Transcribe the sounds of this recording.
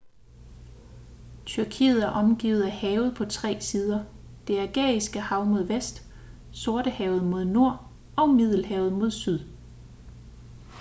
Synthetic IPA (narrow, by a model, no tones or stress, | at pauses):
t͡sʰyɐkʰḭːð̞̩ˠæɐʔɒ̽mɡ̥ḭːð̩ˠæhɛːʊð̞̩ˠpʰɒ̽t͡sʰʁɛ̰ːsiːð̞ˠɐ | d̥e̝æɐɡ̥ɛ̰ːisɡ̥əhɑ̈ʊmo̝ð̞ˠʋesd̥ | so̝ɐɾ̥əhɛːʊð̞̩ˠmo̝ð̞ˠno̝ɐ̰ | ɒ̽ʊmið̞ˠl̩hɛːʊð̩ˠmo̝ð̞ˠsyð̞ˠ